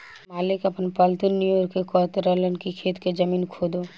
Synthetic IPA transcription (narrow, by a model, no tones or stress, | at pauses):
maːlɪkɐpnpalt̪unːijoːɾkːekɔːt̪ɾələnɖkikʰeːt̪ked͡ʒɐmiːnkʰoːd̪o